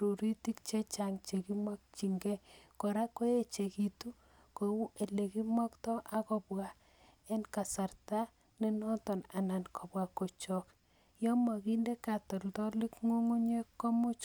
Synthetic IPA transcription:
ɾu˨ɾi˦ti˦kt͡ʃe˦t͡ʃa˨ŋt͡ʃe˨ki˦mwa˦k̚t͡ʃi˨ŋɡɛ˦ko˨ɾa˦ko˦e˦t͡ʃe˨ki˨tu˦ | ko˨wu˦ʔe˨le˨ki˦mɔ˦ktɔ˦ʔa˨kɔ˨pwa˨ | e˦nka˨sa˨rta˦ | ne˦nɔ˦tɔ˨na˨na˨nkʰɔ˨bwa˨ko˨t͡ʃɔ˨k | jɔ˦ma˨ki˦nde˦ka˨tɔ˨ltɔ˦lɪ˦kŋo˦ŋo˦ɲe˦kɔ˦mʊ˦t͡ʃ

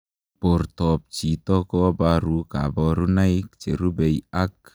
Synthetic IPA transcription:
po˨ɾtɔ˨p̚t͡ʃi˨tɔ˦kɔ˦ba˦ɾu˦ka̰˨bɔ˦ɾu˦na˦ɪ˦kt͡ʃe˨ɾu˦be˨ja˦k̚

